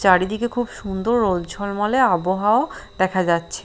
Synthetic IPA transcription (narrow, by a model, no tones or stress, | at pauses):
t͡ɕaɽid̪ikekʰubʃund̪oɾːold͡ʑʱɔlmaleaboɦaod̪ɛkʰad͡ʑatːɕʰe